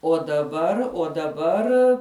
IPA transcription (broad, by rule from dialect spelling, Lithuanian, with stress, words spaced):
oː dɐˈbɐr oː dɐˈbɐr